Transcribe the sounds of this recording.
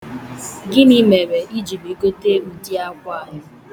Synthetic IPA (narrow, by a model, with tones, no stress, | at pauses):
ɡɪ˦ni˦me˨ɾe˨i˦d͡ʒi˨bi˦ko˦te˦nu˨ti˦a˦kʷa˦ɦɪ˨